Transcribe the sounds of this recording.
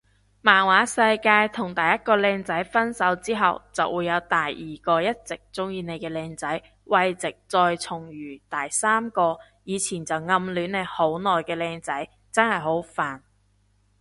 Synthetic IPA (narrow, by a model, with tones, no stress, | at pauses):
maː˨˩nwaː˨˥sɐ˧jkaː˧jt̪ʰʊ˨˩ŋt̪ɐ˨jɐ˥t̚kɔː˧lɛː˧ŋt͡sɐ˨˥jfɐ˥nsɐ˨˥wt͡siː˥ɦɐ̰˨wt͡sɐ̰˨wʔuː˨˧jːɐ˨˧wt̪a˨˩jiː˨˩kɔː˧jɐ˥t̚t͡sɪ˨k̚t͡sʊ˥ŋjiː˨˧ne˨˧jkɛː˧lɛː˧ŋt͡sɐ˨˥j | wɐ˧jt͡sɪ˨k̚t͡sɔː˧jt͡sʰʊ˨˩ŋjyː˨˩t̪aː˨˩jsaː˥mkɔː˧ | jiː˨˧t͡sʰiː˨˩nt͡sɐ˨wŋɐ˧mlyː˨˥nne˨˧jho˨˥wnɔː˨jkɛː˧lɛː˧ŋt͡sɐ˨˥j | t͡sɐ˥nhɐ˨˩jɦo˨˥wfaː˨n